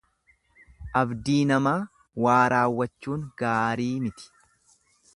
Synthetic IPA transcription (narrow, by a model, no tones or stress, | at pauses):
ʔɐbd̪iːnɐmaː | waːɾaːwːɐt͡ʃːuːŋɡ̥aːɾiːmɪt̪ɪ̥